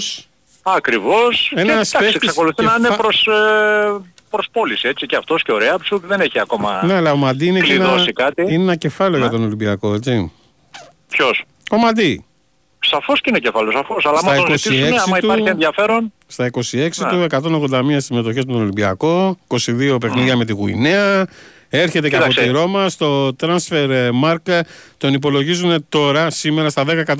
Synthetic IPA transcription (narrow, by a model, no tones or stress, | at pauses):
s | ɐkɾivo̞senɐssd̪aeseksɐko̞luθinɐinepɾos | pɾospo̞lisiet͡siceɐft̪o̞sceo̞ɾeɐpsut̪ðeneçiɐko̞mɐ̰neɐlɐomɐd̪iineenðosikɐt̪iinenɐce̞fɐleoʝɐt̪o̞no̞limbiɐko̞et͡si | pços | o̞mɐd̪i | sɐfosceinecefɐleosɐfosɐlɐsɐmɐɐikosieksimɐit̪uɐɾenðjɐfe̞ɾo̞n | st̪ɐiko̞sie̞ksit̪ue̞kɐt̪o̞noɣðod̪ɐmiɐssime̞t̪o̞çezmet̪oolimbiɐ̰ko̞iko̞siðio̞p̬e̞xniðiɐme̞t̪iɣuḭneɐ | e̞ɾçe̞t̪̬eɐɐposiɾo̞mɐst̪o̞t̪ɾɐnsfe̞ɾmɐɾkt̪o̞nip̬o̞lo̞ʝizune̞t̪o̞ɾɐsime̞ɾɐst̪ɐðe̞kɐekɐt̪